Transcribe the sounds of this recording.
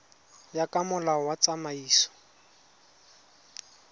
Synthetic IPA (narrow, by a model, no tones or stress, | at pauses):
jakʼamʊlaɔwat͡sʼamaiːsɔ̥